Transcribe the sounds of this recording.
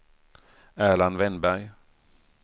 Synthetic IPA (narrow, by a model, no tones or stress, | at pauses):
æːɭanvɛnbæɾj